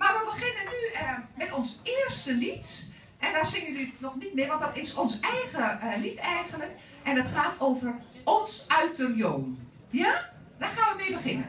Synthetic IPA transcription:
maɹʋəbəɣɪnənymɛtɔnsɪərstəlit | ʔɛndaːɹsɪŋjənynɔχnit̚mɪʋɑntdɔtɪsɔnsɛjɣəlitɛjɣənlək | ɛndɑtχaːtʰowvər | ɔnsœɥtərjoːm | ja | d̥axaːnʋəmeːbəχɪnə̰n

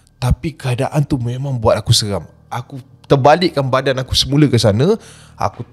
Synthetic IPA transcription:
t̪apikəada̰ʔant̪umemãŋbuat̪̚akusəɣam | ʔaku | t̪ərbalɪʔkːanbadanaku̥səmũləkəsanə̃ | a̰ku

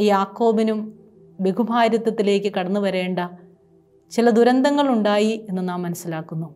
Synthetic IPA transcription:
jaːkːo̞ːbinum | be̞ɡubʱaːɾjɐt̪ːɐt̪ːile̞ːkʲːɨkɐɽɐnːuʋɐɾe̞ːɳɖɐ | t͡ɕilɐd̪uɾɐnd̪ɐŋːɐɭuɳɖaːjie̞nːɐnaːmːɐnɐsilaːkːunːu

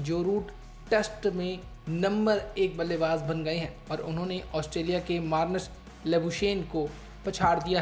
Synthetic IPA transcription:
d͡ʒoːɾuːʈ | ʈesʈmẽ | nɐ̃mbəɾeːk̚bɐlːebaːzbɐ̃nɡɐeɦɛ̃ːɔːɾʊnɦõneʔɔːsʈɾeːlijakemaːɾnəs | lebuʃeːnko | pɐt͡ʃʰaːɾd̪ijaɦ

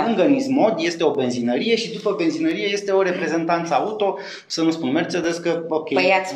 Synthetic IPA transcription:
ɨŋɡənismo̞d̪je̞st̪e̞o̞be̞nzinəɾije̞ʃid̪upəbe̞nzinəɾije̞je̞st̪e̞o̞ɾe̞pɾe̞ze̞nt̪ant̪səaut̪o̞ | sənuspunmert͡ʃəd̪eskəokʲeəjat̪ʲ

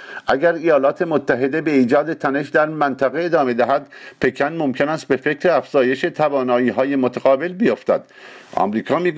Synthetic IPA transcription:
ʔæɡæɾijɒːlɒːt̪ʰe̞mot̪ʰːæɦe̞d̪e̞be̞iːd͡ʒɒːd̪e̞t̪ʰæne̞ʃd̪æɾmænt̪ʰæɣeːd̪ɒːme̞d̪æɦæd̪̥pʰe̞kʰænmomcʰenæst̪̚be̞fe̞kʰɾeæfz̥ɒːje̞ʃet̪ʰævɒːnɒːiːɦɒːje̞mot̪ʰæɣɒːbe̞lbejo̞ft̪æ̰d̪̥ | ʔɒ̰mɾiːkʰɒːmiːɡ

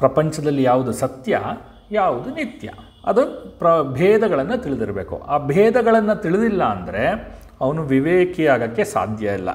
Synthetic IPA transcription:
pɾɐpɐɲt͡ʃɐd̪ɐlːijaːʋud̪usɐt̪jɐ | jaːʋud̪unit̪jɐ̰ | ɐ̰d̪upɾɐbʱɛːd̪ɐɡɐɭɐnːɐt̪iɭid̪iɾɐbeːkṵʔaːbʱɛːd̪ɐɡɐɭɐnːɐt̪iɭid̪ilːɐːnd̪ɐɾe̞ | ɐʋɐnuʋiʋeːkijaːɡɐkːesa̰ːd̪ʱjɐilːɐ̰

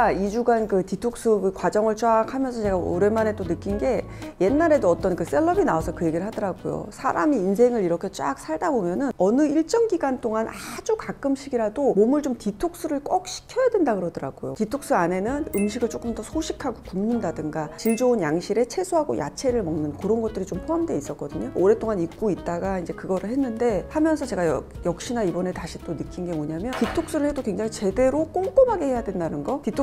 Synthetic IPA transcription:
kaid͡ʑuɡankɯtitʰok̚s͈ɯkwad͡ʑʌŋɯɭt͡ɕʰoakʰamjʌnsʰʌt͡ɕe̞ɡao̰ɾemane̞t͈onɯk͈inɡe̞ | je̞nːaɾe̞doʌt͈ʌnkɯs͈e̞ɭːʌbinaosʰʌkɯje̞ɡiɾɭɦadʌɾaɡo̰jo̰sʰa̰ɾamiːns̬ʰe̞ŋɯɾiɾʌkʰet͡ɕ͈ak̚sʰaɭdabomjʌnɯnʌnɯiɭt͡ɕ͈ʌŋɡiɡant͈ʰoŋanad͡ʑukak͈ɯmɕʰiɡiɾadomomɯɭt͡ɕomtitʰok̚s͈uɾɯɭk͈ʌk̚ɕ͈ʰi̥kʰjʌjadwendakɯɾʌdɯɾa̰ɡ̥ojo̰titʰok̚s͈uane̞nɯnɯmɕʰiɡɯɭt͡ɕ͈ok͈ɯmtʌsʰoɕʰikʰaɡokumɲindadɯŋɡat͡ɕiɭd͡ʑounjaŋɕʰiɾe̞t͡ɕʰe̞sʰoɦaɡo̰ja̰t͡ɕʰe̞ɾɯɭmʌŋnɯnkɯɾʌnɡʌt̚t͈ɯɾit͡ɕompʰoamde̞is͈ʌk͈ʌdɯɲooɾe̞t͈ʰoŋanik̚k͈oit̚t͈aɡaind͡ʑe̞kɯɡʌɾɯɭhenːɯnde̞hamjʌnsʰʌt͡ɕe̞ɡajʌ | jʌk̚ɕ͈inaibʌne̞taɕʰit͈onɯkʰinɡe̞moɲamjʌntitʰok̚s͈ɯɾɯɭhe̞dokweŋd͡ʑaŋit͡ɕe̞de̞ɾok͈oŋk͈omɦaɡe̞he̞jadwe̞ndanɯnɡʌtitʰo

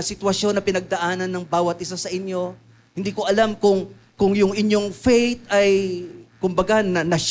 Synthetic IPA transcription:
sɪt̪wɐʃjo̞nːɐpɪnɐɡ̚d̪ɐʔaːnɐnːɐŋbaːwɐt̪̚ʔɪsasɐʔɪnjo̞ | hɪnd̪iːko̞ʔɐlamkʊŋ | kʊŋjʊŋɪnjo̞ŋfɛjt̪̚ɐjkʊmbɐɡanɐnɐʃ

